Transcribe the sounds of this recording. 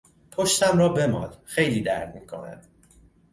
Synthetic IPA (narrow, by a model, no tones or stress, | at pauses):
pʰoʃt̪ʰæmɾɒːbe̞mɒ̰ːd̪xe̞jliːd̪æ̰ɾd̪miːkʰo̞̰næ̰d̪̥